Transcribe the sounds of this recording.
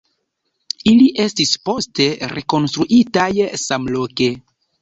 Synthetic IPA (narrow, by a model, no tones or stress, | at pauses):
iliʔe̞stispo̞ste̞ɾeko̞nstɾuʔitajsamlo̞ke̞